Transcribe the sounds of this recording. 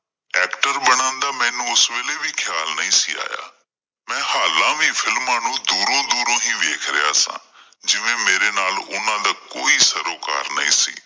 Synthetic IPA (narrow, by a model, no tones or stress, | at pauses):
ɛːkʈəɾɓɐɽ̃ãːn̆d̪aːmɛ̃ːnuʊsʋeːlebʱikʰjaːlnɐĩsḭa̰ːja̰ː | mɛ̃ːhaːlãʋifɪlmːaːnũd̪uːɾõd̪uːɾõɦĩʋeːkʰɾɪja̰ːsã̰ː | d͡ʒɪʋẽmeːɾenaːlʊn̤ãd̪aːkoːisɐɾoːka̰ːɾnɐḭ̃ːsḭː